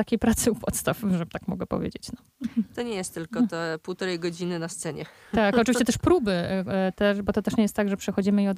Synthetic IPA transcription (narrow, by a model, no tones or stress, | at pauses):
t̪akʲejpɾat̪sɨupʰɔt̪st̪afʐɛt̪akmɔ̰ɡɛpɔ̰vʲjḛd͡ʑḛt͡ɕnɔ | t̪ɔɲɛjɛst̪ːɘlk̪ɔt̪ɛpuwt̪ɔɾɛjɡɔd͡ʑinɘnast̪sɛɲɛ | akɔʈ͡ʂɨvʲit͡ɕɛt̪ɛʂpɾubɘt̪ɛʂbɔt̪ɔt̪ɛʂɲejɛst̪ːaɡʐɛpʂɛxɔd͡ʑimɘiɔd̪